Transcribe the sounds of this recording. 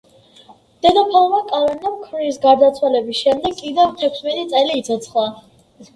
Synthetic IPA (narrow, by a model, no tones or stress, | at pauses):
d̪̥ɛd̪apʰalˠmakʼalɛɾnamkʰɾiisɡaɾd̪at̪sʰwalɛbisʃɛmd̪ɛɡkʼːid̪ɛvt̪ʰɛkʰsmɛt̪ʼit̪sʼɛliːt̪sʰɔt̪sʰχlˠa